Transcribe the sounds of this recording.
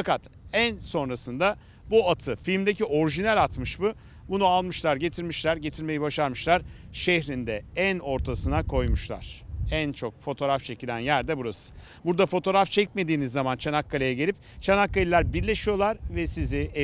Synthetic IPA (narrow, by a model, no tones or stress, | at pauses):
fakat̪ | ænso̞nɾasɯnd̪a | buat̪ʰɯfilʲmd̪ecio̞ɾiʒinælʲat̪mɯʃbu | bunualˠmɯʃlˠaɾɟe̞t̪ʰiɾmiʃlʲæɾɟe̞t̪ʰiɾme̞jibaʃaɾmɯʃlˠaɾ̥ʃeçɾind̪ɛæno̞ɾt̪ʰasɯnakʰo̞jmuʃlˠa̰ɾ̥ænt͡ʃʰo̞k̚fo̞t̪ʰo̞ɾaft͡ʃʰe̞cilʲænjæɾd̪ɛbuɾasɯ̥ | buɾd̪afo̞t̪ʰo̞ɾaft͡ʃʰɛc̚me̞d̪iːnizːamant͡ʃʰanakːalʲajaɟe̞lʲip̚t͡ʃʰanakːalʲilʲæɾbiɾlʲeʃijo̞lˠaɾvɛsizɪe